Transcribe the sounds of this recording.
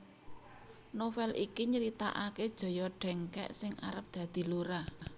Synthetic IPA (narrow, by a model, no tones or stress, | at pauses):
nofɛlʔikiɲəɾit̪a̰ʔaked̥ʒ̥ɔ̤jɔɖ̥ɛ̤ŋkɛ̰ʔsɪŋa̰ɾəp̚d̪̥ä̤d̪̥i̤luɾa